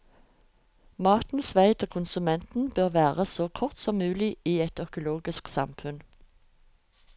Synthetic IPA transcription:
mɑʁt̪n̩sʋæɪd̪oːkʰʊnsʉmɛnt̪n̩bøːʁʋæːʁəsoːkʰʊʁt̪sɔmːʉːlɪiːɛt̪œkʊloːɡɪsksɑ̰mfʉn

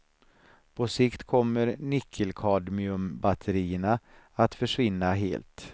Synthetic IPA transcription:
pʰɔsɪkt̪kʰɔmːəɾnʏkʰːəlkʰɑːd̪mɪɵmbat̪ʰəɾiːəɳa | at̪fœʂvɪnːaɦḛːlt̪

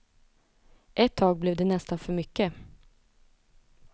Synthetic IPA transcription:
ʔɛt̪ʰːɑːɡ̚blɛvd̪ɛnɛst̪anfœɾmʏkːə

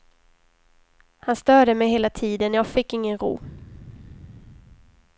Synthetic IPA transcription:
hanst̪œːɖəmɛjheːlat̪ʰiːd̪ənjɑːɡfɪkːɪŋːənɾṵː

